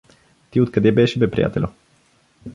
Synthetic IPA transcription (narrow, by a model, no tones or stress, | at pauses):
t̪iot̪̚kɐd̪ɛbɛʃibɛpɾija̰t̪ɛ̰lʲo